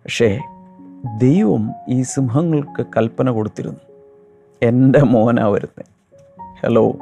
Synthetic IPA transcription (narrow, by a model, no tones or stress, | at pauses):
pɐkʂe̞ː | d̪e̞jʋɐmiːsimɦɐŋːɐɭkɨkɐlpɐnɐko̞ɽut̪ːiɾṵnːu | e̞ndemoːna̰ːʋɐ̰ɾunːḛ | hḛlo̰ː